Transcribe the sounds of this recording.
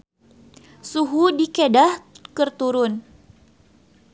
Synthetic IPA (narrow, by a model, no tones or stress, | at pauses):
suɦudikedahkɨrt̪uɾʊn